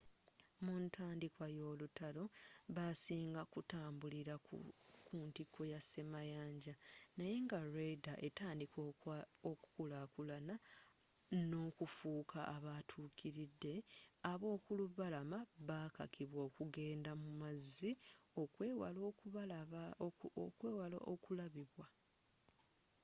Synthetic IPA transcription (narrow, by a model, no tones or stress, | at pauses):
muntʰaːndikwajo̞ːlutalo̞βasiːŋɡakutaːmbuliɾakuntikʰo̞jase̞majaːɲɟanaje̞ŋɡaɾedaʔe̞taːndikʰooku̥kulakulana | no̞kufuːkʰaʔːβatʰuːkʰiɾidːe̞aβo̞ːkuluβalamaβaka̰kʰiβwo̞ːkuɡe̞ːndamumaziokːwalokβl | okweːwala̰ʔokulaβiβwa